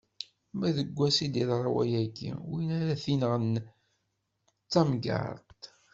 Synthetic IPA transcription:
mæðəɡʷːæsid̪iðɾˤɑwæ̰jæɡḭwinæɾæθinəʁən | t͡sːæmɡə̰ɾˤt̪

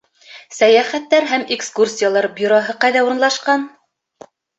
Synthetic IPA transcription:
sæjæχæt̪ːæɾɦæmekskursʲijalˠɑɾbʲjuɾoɦɤqɑjðæuɾɤ̆nlˠɑʃqɑn

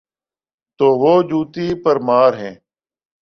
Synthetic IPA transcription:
t̪oːʋoːd͡ʒuːt̪iːpəɾmaːɾɦẽː

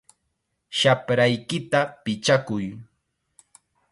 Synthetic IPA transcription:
ʃapɾajkɪt̪apɪt͡ʃakʊj

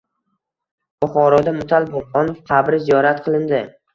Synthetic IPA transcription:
b̥ʊχɒɾɒd̪amʊt̪ʰalbolˠɒnfqʰɑbɾɪzijɒɾat̪̚qʰɨlˠɪnd̪ɪ

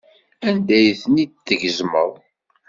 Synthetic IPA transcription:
ænd̪æjθənid̪θəʝəzmə̰ðˤ

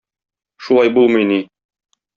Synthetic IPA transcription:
ʃulˠɑjbulˠmɤjni

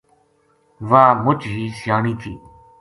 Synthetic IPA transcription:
ʋaːmʊt͡ʃɦiːsɪjaːɳiːt̪ʰḭː

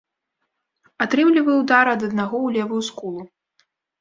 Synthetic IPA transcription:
at̪ɾɨmlʲivɐjwd̪aɾɐd̪ɐd̪̚naɣɔwlʲɛvujuskulˠu

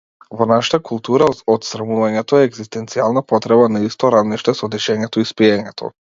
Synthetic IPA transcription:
vɔnaʃḁt̪akulˠt̪uɾaɔt̪sɾamuvaɲɛt̪ɔɛːɡzist̪ɛnt̪sialˠnapɔt̪ɾɛbanaist̪ɔɾavniʃt̪ɛsɔd̪iʃɛɲɛt̪ɔispiɛɲɛt̪ʰɔ̰

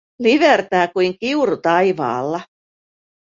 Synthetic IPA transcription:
liʋert̪æːkujŋkiuɾut̪ɑjʋɑ̰ːlːɑ

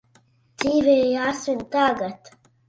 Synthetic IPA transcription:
t͡s̪iːveːjaːsint̪aːɡɐt̪

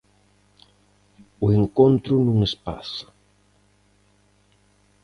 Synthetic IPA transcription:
ʊeŋkont̪ɾʊnũŋespa̰sɐ̥

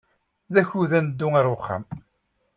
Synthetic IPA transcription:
ðæçuðænd̪ːuŋæɾˤʊχːa̰m

